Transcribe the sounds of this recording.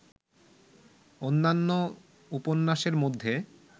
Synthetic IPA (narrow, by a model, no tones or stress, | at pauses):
onːanːo | uponːaʃeɾmod̪ʱːe